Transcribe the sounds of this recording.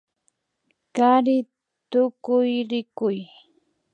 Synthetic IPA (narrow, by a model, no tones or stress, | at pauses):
kaɾɪ | t̪ʊkʊjɾɪkʊj